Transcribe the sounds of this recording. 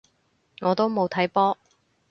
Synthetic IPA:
ŋɔː˨˧t̪o˥wmo˨˧wt̪ʰɐ˨˥jpɔː˥

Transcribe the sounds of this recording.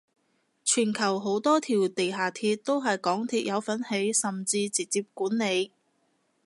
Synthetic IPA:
t͡ʃʰyː˨˩nkʰɐ˨˩wɦo˨˥wt̪ɔː˥t̪ʰiː˨˩wt̪e˨jɦaː˨˩t̪ʰiː˧t̚t̪o˥wɦɐ˨jkɔː˨˥ŋt̪ʰiː˧t̚jɐ˨˧wfɐ˨˥nhe˨˥jsɐ˨˩mt͡siː˧t͡si˨˩k̚t͡siː˧p̚kuː˨˥nːe˨˧j

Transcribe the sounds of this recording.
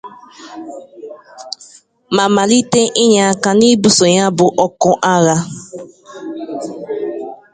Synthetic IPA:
ma˨ma˨li˦te˦ʔɪ˦ɲa˨a˦˨ka˨ni˦bu˨so˨ɲa˦bʊ˨ʔɔ˦kʊ˦ʔa˦ɣa˦

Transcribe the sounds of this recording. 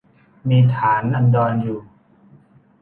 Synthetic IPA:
miː˧t̪ʰaː˩˦nʔa˧ndɔː˧njuː˨˩

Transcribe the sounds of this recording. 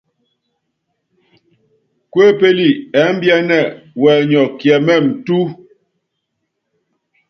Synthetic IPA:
kwe˦pe˦li˨ɛ˨˦m̩˦bjɛ˦nɛ˦˨wɛ˨ɲɔ˨kjɛ˨mɛ˦˨m̩˨tu˦

